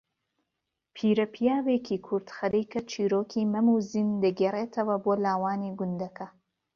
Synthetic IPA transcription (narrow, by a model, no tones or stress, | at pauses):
pʰiːɾɐpʰijaːweːkʰiːkʰuɾd̪xɐd̪ejkɐt͡ʃʰiːɾoːkʰiːmɐmuːzind̪ɐɡereːt̪ʰɐwɐboːlaːwaːniɡʊnd̪ɐkɐ